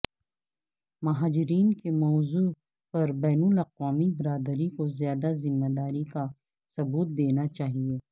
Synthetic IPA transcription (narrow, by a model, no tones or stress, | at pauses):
mɐɦaːd͡ʒɪɾiːnkemɔːzu | pɐɾbɛːnʊlɐqʋaːmibɪɾaːd̪əɾikozjaːd̪azɪmːed̪aːɾika | sɐbuːt̪̚d̪eːnat͡ʃaːɦieː